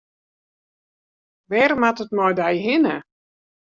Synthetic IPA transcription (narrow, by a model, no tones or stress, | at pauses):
ʋɛrmatətmɔjdɛjɦɪnə